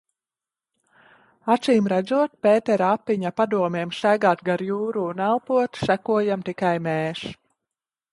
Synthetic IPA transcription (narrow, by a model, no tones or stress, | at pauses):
asiːmɾæd̪zuɔt̪̚pʲɛːt̪ɛɾapːiɲapad̪uɔmeɛmʃæɡaːt̪ɡaɾjuːɾuːnælˠpuɔt̪sækuɔjamt̪ikajmɛːʃ